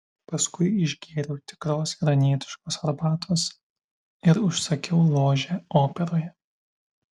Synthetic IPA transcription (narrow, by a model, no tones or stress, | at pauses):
pɐskʊɪɪʒʲɡʲeːɾʲɛʊt̪ʲɪ̥kɾoːsɡɾɐnʲiɛt̪ʲɪ̥ʃkoːsɐɾbɑːt̪ʰoːs | ɪɾʊʃsɐkʲɛʊlˠoːʒʲɛoːpʲɛɾoːjɛ